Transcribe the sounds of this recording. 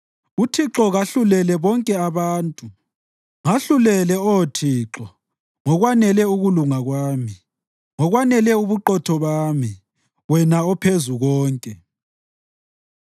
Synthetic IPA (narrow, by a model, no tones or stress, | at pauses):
utʰiǁɔɣaɬulɛlɛβɔŋkʼɛaβaːntʼu | ŋaɬulɛlɛɔtʰiːǁɔ | ŋɔɣwanɛlɛuɣuluŋaɣwaːmi | ŋɔɣwanɛlɛuβuǃɔtʰɔβaːmi | wɛnaɔpʰezuɣɔːŋkʼɛ